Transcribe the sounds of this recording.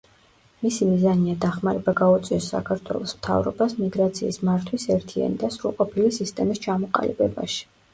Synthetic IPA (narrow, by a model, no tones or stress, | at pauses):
misimizaniad̪aχmaɾɛbaɡaut̪sʼiɔsːa̰kʰaɾt̪ʰwɛ̰lˠɔsmt̪ʰa̰vɾɔ̰basmiɡɾat̪sʰiːsmaɾt̪ʰwisɛɾt̪ʰia̰nid̪asɾṵlˠqʼɔpʰilisist̪ʼɛmist͡ʃʰamɔqʼa̰lḭbɛba̰ʃi̥